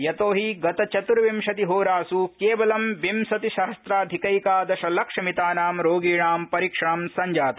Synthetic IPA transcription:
jɐt̪oːɦiɡɐt̪ɐt͡ʃɐt̪uɾʋimʃɐt̪iɦoːɾaːsukeːʋɐlɐmʋimsɐt̪iʃɐɦɐst̪ɾaːd̪ʱikɐjkaːd̪ɐʃɐlɐkʂɐmit̪aːnaːmɾoːɡiːɳaːmpɐɾikʂamsɐɲd͡ʒaːt̪ɐ

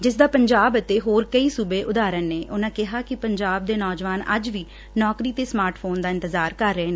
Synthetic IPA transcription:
d͡ʒɪs̬d̪aːpəɲd͡ʒaːbət̪eːɦoːɾkəiːsuːbeːʔʊd̪aːɾənneːʔʊnãːkɪɦaːkɪpəɲd͡ʒaːb̚d̪eːnɔːd͡ʒʋaːnə̰d͡ʒʋiː | nɔːkɾiːt̪eːsmaːɾʈʰpʰoːnd̪aːɪ̃nt̪əzaːɾkəɾːeːneː

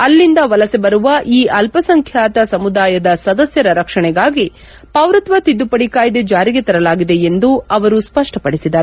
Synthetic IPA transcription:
ɐlːind̪ɐʋɐlɐsebɐɾuʋɐʔiːʔɐlpɐsɐŋkʰjaːt̪ɐsɐmud̪aːjɐd̪ɐsɐd̪ɐsjɐɾɐɾɐkʂɐɳɛɡaːɡi | pɐʋɾɐt̪ʋɐt̪id̪ːupɐɽikaːjd̪ed͡ʒaːɾiɡet̪ɐɾɐlaːɡid̪e̞end̪uɐʋɐɾuspɐʂʈɐpɐɽisid̪ɐɾ

